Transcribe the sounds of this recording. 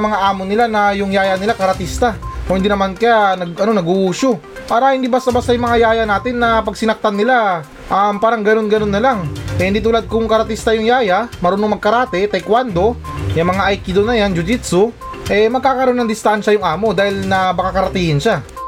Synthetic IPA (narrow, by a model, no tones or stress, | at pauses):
mɐŋaʔaːmo̞nɪlanɐjʊŋjaːjanɪlakɐɾɐt̪ist̪aʔohɪnd̪iːnɐmankɐjanɐɡɐno̞nɐɡuʔuːʃo̞ | paːɾɐhɪnd̪iːbast̪ɐbast̪ɐjʊmɐŋajaːjanaːt̪ɪnːɐpɐɡsɪnɐk̚t̪anːɪla | ʔɐmpaːɾɐŋɡɐno̞nɡɐno̞nːɐlaŋʔɛhɪnd̪iːt̪uːlad̪̚kʊŋkɐɾɐt̪ist̪ɐjʊŋjaːjamɐɾuːnoŋmɐɡ̚kɐɾaːt̪ɛt̪ɐjkwand̪o̞ | jɐŋmɐŋaʔajkɪd̪onɐjand͡ʒʊd͡ʒit̪so | ʔɛmɐɡ̚kaːkɐɾo̞nɐŋd̪ɪst̪anʃɐjʊŋʔaːmo̞d̪aːhɪlnɐbɐkakɐɾɐt̪iːhɪnʃa